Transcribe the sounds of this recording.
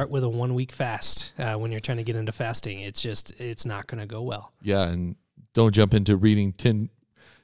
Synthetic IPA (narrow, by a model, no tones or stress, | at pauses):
ɑɹʔwɨðəwʌ̃nwikfæstwə̃njə˞tʰɹ̥aɪɪ̃ŋtɨɡɛɾɪ̃ntʉfæstɪ̃ŋɪtsd̥ʒ̥ʌstɪtsnə̰t̚ɡ̥ʌnɨɡoʊwɛ̰lˠjæɨ̃n | d̥õʊ̃nd̥ʒ̥ʌ̃mpɪ̃ntʉɹiɾɪ̃ŋtʰɛ̃n